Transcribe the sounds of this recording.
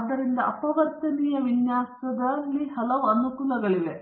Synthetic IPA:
ɐd̪ːɐɾind̪ɐʔɐpɐʋɐɾt̪ɐnijɐʋiɲjaːsɐd̪ɐlːihɐlɐʋɐnːukulɐɡɐɭile

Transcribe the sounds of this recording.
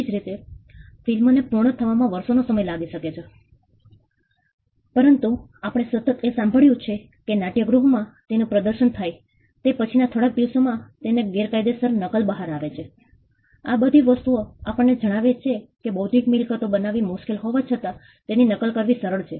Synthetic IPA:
d͡ʒɾit̪efilmonepuɾɳ̃ət̪ʰəʋamãʋəɾsonosəməjlaɡiʃəket͡ʃʰe | pəɾənt̪uapəɽ̃esət̪ət̪esãmbʱəɭjũt͡ʃʰe | kenaʈijəɡɾuɦmãt̪enũpɾəd̪əɾʃənt̪ʰaj | t̪epət͡ʃʰinat̪ʰoɽak̚d̪iʋsomãt̪eneɡeɾkajd̪esəɾnəkəlbəɦaɾaʋet͡ʃʰe | abəd̪ʱiʋəst̪uoapəɳːed͡ʒəɽ̃aʋet͡ʃʰekebod̪ʱikmilkət̪obənaʋimuʃkelɦoʋat͡ʃʰət̪a | t̪eninəkəlkəɾʋisəɾəɭt͡ʃʰe

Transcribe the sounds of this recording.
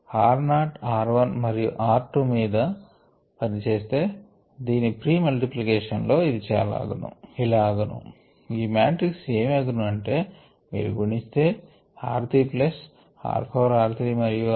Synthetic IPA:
aːɾnaːʈaːɾʋɐnmɐɾijuʔaːɾʈumiːd̪ɐ | pɐnit͡ʃe̞ːst̪e̞ː | d̪iːnipɾiːmɐlʈiplikeːʂɐnlo̞ːid̪it͡ʃɛ̰ːjɐ̰la̰ːɡunṵilaːɡunṵ | iːmaːʈɾikse̞ːmɐɡunuɐɳʈe̞ː | mḭːɾṵɡuɳist̪eː | aːɾt̪iːplɐs | a̰ːɾpʰoːɾaːɾt̪ʰɾimɐɾiju

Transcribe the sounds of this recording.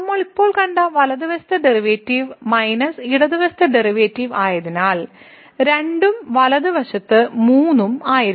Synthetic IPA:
ɐmːɐɭipːo̞ːɭkɐɳɖɐʋɐlɐðiʋɐst̪ɐɖeriʋeːtːiʋmɐjnɐsiɽɐðiʋɐst̪ʰɐɖeriʋeːtːiʋaːjɐðinaːɭ | ɾe̞ɳɖumʋɐlɐðɨʋɐʂɐt̪ːɨmuːnːumaːjiɾ

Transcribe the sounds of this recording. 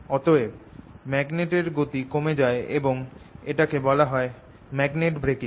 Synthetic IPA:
ɔt̪oemɛɡneʈeɾɡot̪ikomed͡ʑaeeboŋeʈakebɔlaɦɔe | mɛɡneʈbɾekiŋ

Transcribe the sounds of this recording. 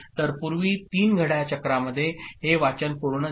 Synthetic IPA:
t̪əɾpuɾʋiːt̪iːnɡʱəɽjat͡ɕəkɾaməd̪ʱːjeɦeʋat͡ɕənpoɽnə

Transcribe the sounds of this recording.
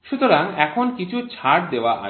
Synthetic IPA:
ʃut̪oɾaŋɛkʰonkit͡ɕʰut͡ɕʰaʈ̚d̪eoaʔa̰

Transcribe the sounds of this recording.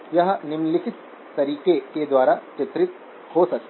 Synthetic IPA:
jɐɦə̆nimlisit̪ː | ɐɾiːkeked̪ʋaːɾaːt͡ʃet̪ɾɪt̪̚ | hoːsɐk

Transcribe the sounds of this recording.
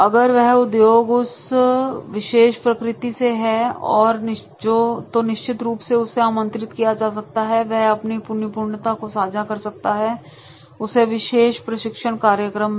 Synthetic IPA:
ɐɡəɾʋɛɦʊd̪joːɡʊs | ʋɪʃeːʃpɾɐkɾɪt̪iseɦɛɔːɾnɪ | d͡ʒoːt̪onɪʃt͡ʃɪt̪ɾuːpseʊsːeaːmə̃nt̪ɾɪt̪kijad͡ʒaːs̬ɐk̚t̪aɦɛʋɛɦɐpnipʊɾnjɪpuːɾɳət̪akosaːd͡ʒʱakɐɾsɐk̚t̪aɦɛ | ʊseʋɪʃeːʃpɾɐʃɪkʃəɳ̃kaːɾjəkɾəmː

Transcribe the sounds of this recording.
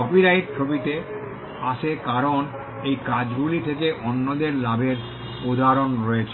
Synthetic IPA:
ɔpiɾaiɾ̚t͡ɕʰobit̪e | aʃʰekaɾon | ejkad͡ʑɡulit̪ʰekeʔonːod̪eɾlabeɾ | ud̪ʱaɾonɾɔet͡ɕʰ

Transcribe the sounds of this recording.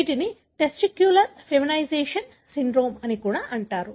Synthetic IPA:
ʈini | ʈesʈikjulɐɾfeminɐjd͡ʒeːʂɐn | siɳɖɾo̞ːmɐnikuːɽaːʔɐɳʈaːɾu

